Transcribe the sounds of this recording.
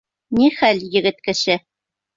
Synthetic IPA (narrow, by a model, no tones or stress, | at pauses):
niχælʲjɘ̆ɡɘ̆t̪kɘ̆ɕɘ